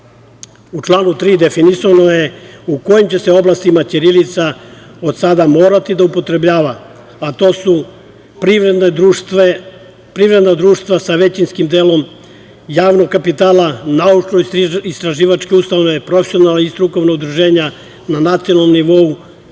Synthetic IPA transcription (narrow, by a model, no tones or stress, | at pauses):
ut͡ʃlˠaːnut̪ɾiːd̪e̞finisonoje̞ukojimt͡ɕe̞seo̞blast̪imat͡ʃiɾilit̪sao̞d̪sad̪amo̞ːɾat̪id̪aupo̞t̪ɾe̞bʎaːʋaː | t̪o̞ːsu | pɾiɾed̪neue | pɾiʋɾe̞d̪nad̪ɾuːʃt̪ʋasaʋe̞t͡ɕinskimd̪eːlo̞m | jaːʋnoɡ̚kapit̪aːlanaut͡ʃnoist̪ɾaʒiːʋat͡ʃkeust̪aʋne̞pɾofe̥sʲjonalist̪ɾuko̞ʋnoɡd̪ɾuʒe̞ːɲa | nanat̪sijonalnomniʋo̞u